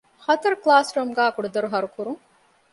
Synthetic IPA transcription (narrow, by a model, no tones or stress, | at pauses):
hɐt̪ɐɾuklaːsɾɐmɡaːkuɖɐd̪ɐɾuɦɐɾukuɾuŋ